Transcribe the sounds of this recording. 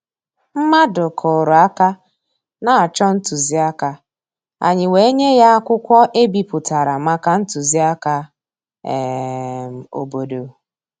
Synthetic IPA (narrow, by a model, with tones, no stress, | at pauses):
m̩˦ma˦dʊ˨kʰɔ˨ɾʊ˨a˦ka˦ | na˨a˨t͡ʃɔ˦n̩˦tu˨zi˦a˦ka˦ | a̰˨ɲɪ˨we˨e˦ɲe˦ja˦a˦kʷʊ˦kʷɔ˦ʔe˦bi˨pʊ˨ta˨ɾa˨ma˦ka˦n̩˦tu˨zi˦a˦ka˦˨ | m˨o̰˨bo˨do˨